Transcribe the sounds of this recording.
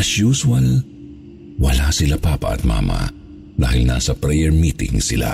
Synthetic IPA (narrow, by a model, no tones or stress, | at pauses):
ɐʃjuːswɐl | wɐlasɪlapaːpɐ̰ʔɐ̰t̪̚ma̰ːmɐ̰ | d̪aːhɪlna̰ːsɐpɾɛjɛɹmiːt̪ɪ̰̃ŋsɪla̰